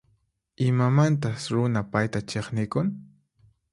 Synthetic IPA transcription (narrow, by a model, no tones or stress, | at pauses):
ɪmamant̪asɾʊnapajt̪at͡ʃeχnɪkʊn